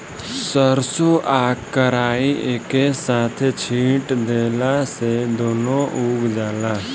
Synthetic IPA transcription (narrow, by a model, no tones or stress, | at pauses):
səɾsoʔaːkːəɾaːieːkesaːt̪ʰt͡ʃʰĩːʈd̪eːlased̪oːnõʔuːɡd͡ʒaːlaː